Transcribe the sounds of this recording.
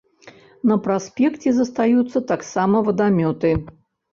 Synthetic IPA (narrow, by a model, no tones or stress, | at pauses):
nɐpɾasʲpʲɛkt͡sʲɛzɐst̪ajut̪sːɐt̪aksamɐvɐd̪amʲɔt̪ɨ